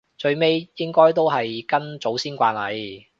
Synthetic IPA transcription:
t͡ʃɵ˧ɥme˥jjɪ˥ŋkɔː˥jt̪̬o˥wɦɐ˨jkɐ˥nt͡so˨˥wsiː˥nkʷaː˧nlɐ˨˧j

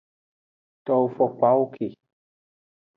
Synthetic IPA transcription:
t̪ɔ˨˧o˨fɔ˨k͡pa˦wo˦kʰe˨

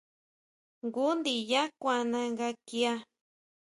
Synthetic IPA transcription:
ŋɡu˦nd̪i˨ja˦kʷa˨nã˧ŋɡa˧ki˦a˦

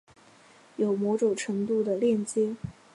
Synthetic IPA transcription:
jo˨˩ʊmɔ˧˥ʈ͡ʂo˨˩ʊʈ͡ʂʰɤ˧˥ŋt̪u˥˩d̪ə˩ljɛ˥˩nt͡ɕjɛ˥

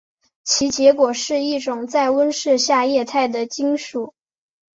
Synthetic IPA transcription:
t͡ɕʰi˧˥t͡ɕjɛ˧˥kwɔ˨˩ʂɻ̩˥˧i˥˩ʈ͡ʂʊ˨˩ŋt͡sa˥˩ɪwə˥nʂɻ̩˥˧ɕja˥˧jɛ˥˧t̪ʰa˥˩ɪd̪ə˩t͡ɕi˥ŋʂu˨˩˦

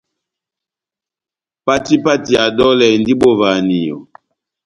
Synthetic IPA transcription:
pa˦ti˦pa˦ti˨a˨dɔ˦lɛ˨ndi˦bo˦va˨ni˨jɔ̰˨

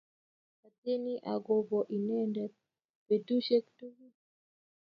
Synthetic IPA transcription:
ka˨te˦ni˦ʔa˨ɡo˨ɡɔ˨ʔi˨nɛ˦ndɛ˨ | pe˨tu˦ʃe˦ktu˦ɡi˦

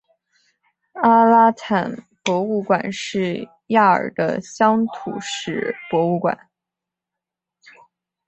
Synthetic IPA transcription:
a˥la˥t̪ʰa˨˩n | pwɔ˧˥u˥˩kwa˨˩nʂɻ̩˥˧ | ja˥˩ə̰˞˨˩d̪ə̰˦ɕjɑ˥ŋt̪ʰṵ˨˩ʂɻ̩˨˥˩pwɔ˧˥u˥˩kwa̰˨˩˦n

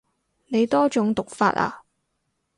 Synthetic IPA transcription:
ne˨˧jt̪ɔː˥t͡ʃʊ˨˧˥ŋt̪ʊ˨k̚fa̰ː˧t̚a̰ː˧

